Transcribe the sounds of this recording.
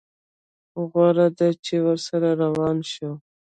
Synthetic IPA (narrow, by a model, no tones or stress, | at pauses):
ɣwɑɾad̪at͡ʃewəɾsaɾaɾawɑnʃo